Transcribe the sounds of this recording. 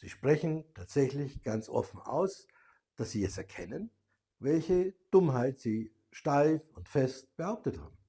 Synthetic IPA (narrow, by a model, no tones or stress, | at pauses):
z̥iːʃpʁ̥ɛçn̩tʰaːtz̥ɛçlɪçɡ̥ant͡sʔɔ̰fn̩ʔa̰ʊs | d̥asz̥iːɛsɛɐkʰɛnən | vɛlçəd̥ʊmɦaɪtz̥iː | ʃtaɪfʊntfɛst̚b̥əhaʊp̚tətha̰ːb̚m̩